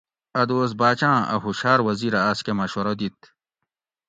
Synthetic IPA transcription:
ɐd̪oːs̬baːt͡ɕãːʔɐ̰ɦuɕaːɾwɐziɾɐaːskemɐɕwɐɾod̪it̪̚

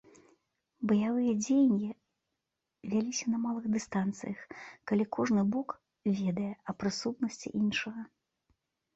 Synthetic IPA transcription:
bɐjavɨjɐd͡zʲejnʲi | vʲalʲisʲɐnɐmalˠɨɣd̪ɨst̪ant̪sɨ̰jɐxkalʲikɔʐnɨbɔk | vʲɛd̪ɐjɛɐpɾɨsut̪nɐsʲt͡sʲḭʔinʂɐɣɐ

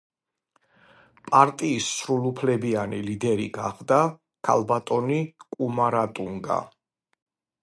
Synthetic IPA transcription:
pʼaɾt̪ʼiːsːɾulˠupʰlɛbianilid̪ɛɾḭɡaχd̪a | kʰa̰lˠbat̪ʼɔnikʼumaɾat̪ʼuŋɡa̰

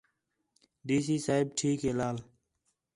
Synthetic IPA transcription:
ɖiːs̬iːsaːɪb̚ʈʰiːkɦeːlaːl

